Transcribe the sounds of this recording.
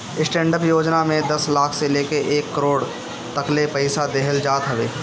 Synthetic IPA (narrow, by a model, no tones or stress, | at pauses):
ɪsʈẽːɳɖəpjoːd͡ʒnamẽd̪ɐslaːkʰseleːkeʔeːkːəɾoːɽ | t̪ɐklepɐɪsad̪eːɦəld͡ʒaːt̪ɦɐʋeː